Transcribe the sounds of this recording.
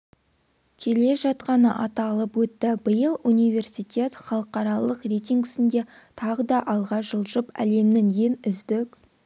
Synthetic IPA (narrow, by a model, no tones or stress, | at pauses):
kʲʰe̞le̞ʒɑt̪qɑnəʔɑt̪ɑlˠəpwɵt̪ːɪbəjəlˠunijvʲe̞rsijt̪ʲe̞t̪χɑlˠəqɑɾɑlˠəqrejt̪ʲiŋɡɪsɪnd̪e̞ | t̪ʰɑʁəd̪ɑʔɑlˠʁɑʒəlˠʒəpæ̰le̞mnɪŋje̞nʏzd̪ɪk